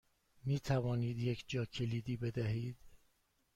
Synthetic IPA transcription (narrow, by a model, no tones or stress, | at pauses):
miːt̪ʰævɒːniːd̪jecʰd͡ʒɒːcʰe̞liːd̪iːbe̞d̪æɦiːd̪̥